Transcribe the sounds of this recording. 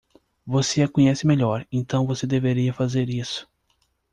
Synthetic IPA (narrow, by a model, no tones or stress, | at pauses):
voseakõɲɛsɪmeʎɔɾẽnt̪ɐ̃w̃vosed̪eveɾiɐfazeɾisʊ̥